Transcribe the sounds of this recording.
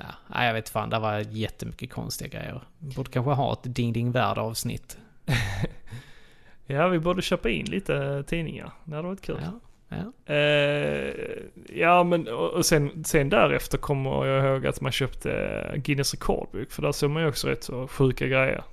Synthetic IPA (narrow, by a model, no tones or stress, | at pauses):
ɑ̰ʔæ̰ɪjɑveːt̪fa̰nd̪æɾvaɾjɛt̪ʰːəmʏkːəkʰɔ̰nst̪ɪɡaɡɾɛ̰jːə̰ɾbuːɖəkʰanɧəɦɑ̰ːɛ̰t̪d̪ɪŋd̪ɪŋvæːɖəɑːvsnɪ̰t̪ː | jaːvɪbuːd̪əɕøːpaɪnːlʔiːt̪ət̪ʰiːnɪŋa̰ɾd̪ɛhad̪ɛʋɑɾɪt̪̚kʰʉ̟ːl | jɑːmɛnɔʔɔsɛnsɛnd̪æɾɛft̪əɾkʰɔmːə̰jɑːɡhoːɡa̰t̪manɕøːpt̪ʰə̰ɡɪnəsɾɛkʰɔ̰ːɖ̪̚bʉ̰kːfœɖ̪æsoːmanjɔksɔɾɛ̰t̪ːsɔɧʉ̟ːkaɡɾɛjːə̰ɾ